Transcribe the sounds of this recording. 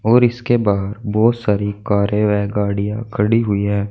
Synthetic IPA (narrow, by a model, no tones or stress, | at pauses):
ɔːɾɪskebaːɦɾbɔːt̪saːɾikaːɾjeʋaːɡaːɽijãkʰɐɽiɦʊiɦɛː